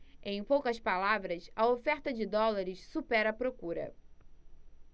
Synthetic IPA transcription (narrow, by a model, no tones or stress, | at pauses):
ẽj̃powkɐspalavɾɐsɐofɛɾt̪ɐd͡ʒɪd̪ɔlaɾɪssupɛɾɐpɾokuɾɐ̰